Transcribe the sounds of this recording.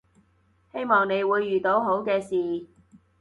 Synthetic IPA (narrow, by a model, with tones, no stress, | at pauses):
he˥jmɔː˨ŋne˨˧jwuː˨˧jːyː˨˩t̪o˨˧wɦo˨˥wkɛː˧siː˨